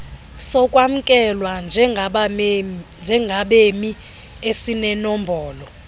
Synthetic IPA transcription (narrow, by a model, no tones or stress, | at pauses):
sɔkʼwam̩kʼɛlwand͡ʒʱɛ | nd͡ʒʱɛŋɡʱaɓemi | esinɛnɔmbʱɔːlɔ